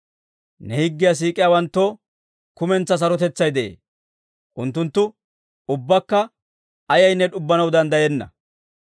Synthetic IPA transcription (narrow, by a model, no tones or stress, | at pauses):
nɛhɪɡːɪjas̬iːkʼɪjawɐnt̪ːoː | kʊmɛnt͡sːɐs̬ɐɾɔt̪ɛt͡sːɐjd̪ɛʔḛː | ʔʊnt̪ːʊnt̪ːʊ | ʊbːɐkːɐ | ɐjɐjnːɛᶑʊbːɐnɐwd̪ɐnd̪ɐjɛnːɐ̰